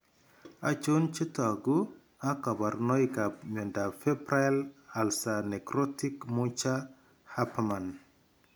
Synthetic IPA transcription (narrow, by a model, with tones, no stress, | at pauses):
a̰˨t͡ʃu˦nt͡ʃi˦ta˨ɡu˦ | a˦ka˨ba˨ɾno˦jkap̚mɔ˨nda˨fe˦bɾa˦la˨lsa˨ne˨kɾo˦ti˦kmut͡ʃa˦ | ha˦pma˨n